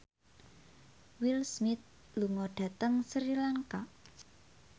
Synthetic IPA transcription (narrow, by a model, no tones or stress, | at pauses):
wilsmɪt̪̚ | luŋɔɖ̥ä̤t̪əŋsɾilaŋka